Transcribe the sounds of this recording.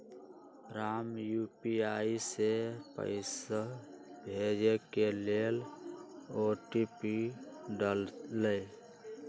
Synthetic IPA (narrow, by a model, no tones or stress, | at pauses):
ɾaːmjuːpiaːisepə̰ɪsabʱeːd͡ʒekeleːl | oːʈiːpiɖəlləj